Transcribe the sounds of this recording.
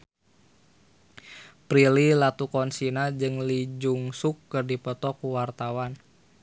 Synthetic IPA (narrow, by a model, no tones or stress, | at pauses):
pɾililat̪ukɔnsinad͡ʒɨŋlid͡ʒuŋsukːɨrdipɔt̪ɔkuwart̪awan